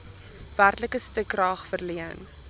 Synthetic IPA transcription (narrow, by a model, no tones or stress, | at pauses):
værtləkəstəkːrɑːχfərliən